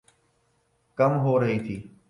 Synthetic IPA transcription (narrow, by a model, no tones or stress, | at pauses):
kəmɦoːɾəɦiːt̪ʰiː